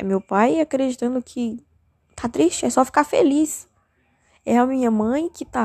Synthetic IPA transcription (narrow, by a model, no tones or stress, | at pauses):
ɛmewpajakɾed͡ʒit̪ɐ̃nd̪ʊkʰɪ | t̪ʰat̪ɾiʃt͡ʃɪɛsɔfi̥kaɾfḛlis | ɛɐmĩɲɐmɐ̃j̃kɪt̪a